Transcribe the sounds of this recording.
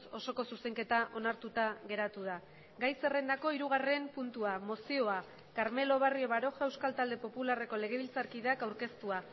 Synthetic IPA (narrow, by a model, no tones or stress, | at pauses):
so̞so̞ko̞suse̞ŋke̞t̪aʔo̞naɾt̪ut̪aɣe̞ɾat̪uð̞a | ɡajse̞re̞nd̪ako̞iɾuɣ̞are̞mpunt̪uamo̞sio̞a | kaɾme̞lo̞βario̞βaɾo̞ʝaewskalt̪ald̪e̞po̞pulare̞ko̞le̞ɣ̞e̞β̞ilt͡saɾkið̞eakawɾke̞st̪ua